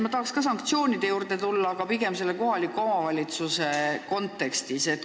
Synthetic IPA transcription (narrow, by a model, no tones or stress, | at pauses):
mɑt̪ɑhɑkskɑs̬ɑŋkt̪sio̞ːnid̪̥e̞juːrd̪e̞t̪ulːɑːɡ̥ɑpiɡ̥e̞mse̞lːeko̞ɦɑlʲikːˑoomɑvɑlʲit̪suse̞ko̞nt̪ːˑe̞kst̪iset̪̚